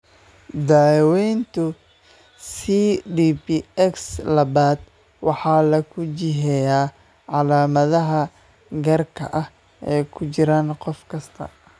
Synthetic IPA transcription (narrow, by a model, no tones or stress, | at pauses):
d̪aːwɛjnt̪ʰʊ | siɖiːpiɛkslɐβaːd̪ | wɑħɑːlɐkʰʊt͡ʃɪɦɛjaː | ʕɑlaːmɐðɐɦɐ | ɡɐrkʰɐ̰ʔɐh | ɛːjkʰʊt͡ʃɪɾaːnqɔfkʰɐst̪ʰɐ̰